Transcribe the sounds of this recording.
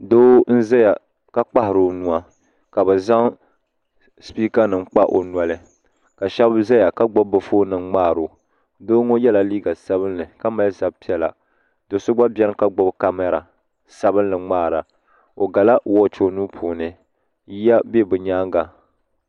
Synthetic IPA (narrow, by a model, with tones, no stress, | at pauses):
doː˦n̩˦za˦ja˨ | ka˦k͡pa˦hɪ˨ɾo˨nu˦a˦ | ka˨bɨ˨za˦ŋ | spiː˦ka˦nɨ˨ŋ̩˦k͡pa˦ʔo̰˨n˨a˨lɨ˦ | ka˨ʃɛ˦bza˦ja˨ka˦ɡ͡bɔ˦bbɨ˨foː˦nɨ˨ŋŋ͡maː˦˨ɾo˨ | doː˦ŋo˦jɛ˦la˨liː˦ɡa˨sa˦βɨ˦nlɨ˨ka˦ma˨lsa˦bpi˦ɛ˨la̰˨ | do˨sʊ˦ɡ͡ba˦bʲɛ˦ɾɨ˦ka˦ɡ͡bɔ˦bka˦mɛ˦ɾa˨ | sa˦bɨ˦nlɨ˨ŋ͡maː˦˨ɾa˨ | o˨ɡa˨la˦wɔ˦t͡ʃo˦nuː˦pʰoː˨nɨ˨ | ji˦a˦be˦bɨ˨ɲaː˦ŋɡa˨